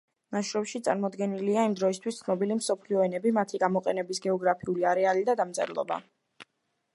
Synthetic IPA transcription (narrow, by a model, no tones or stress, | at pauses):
maʃɾɔbʃit̪sʼa̰ɾmɔd̪ɡɛniliaimd̪ɾɔist̪ʰwist̪sʰnɔbilimsɔpʰliɔɛnɛbimat̪ʰiɡamɔqʼɛnɛbisɡɛɔɡɾapʰiuliaɾɛalid̪ad̪amt̪zʼɛ̰ɾlˠɔ̰ba̰